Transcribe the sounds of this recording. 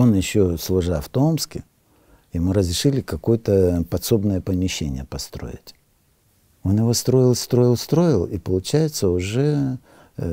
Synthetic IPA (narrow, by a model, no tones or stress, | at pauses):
o̞njɪɕːo̞slˠʊʐaft̪omskʲɪ | jɪmuɾəzɾʲɪʂɨlʲɪkɐko̞jət̪əpɐt̪so̞bnəjəpəmʲɪɕːenʲɪ̰jəpɐst̪ɾo̞̰ɪ̰tʲ | o̞njɪvo̞st̪ɾo̞jɪlˠst̪ɾo̞jɪlˠst̪ɾo̞jɪlˠipəlˠʊt͡ɕæjɪt̪səʊʐɛ